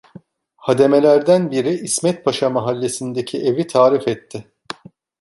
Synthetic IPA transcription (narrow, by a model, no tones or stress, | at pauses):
had̪e̞me̞lʲæɾd̪ænbiɾiːsmɛt̪̚pʰaʃamaɦalʲːe̞sind̪ecʰiʔe̞vit̪ʰaːɾifɛt̪ʰːɪ